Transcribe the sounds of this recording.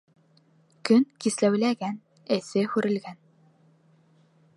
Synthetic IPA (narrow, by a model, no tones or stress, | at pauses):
kɵnkislæwlæɡæn | ɘ̆sɘhʉɾɘ̆lɡæn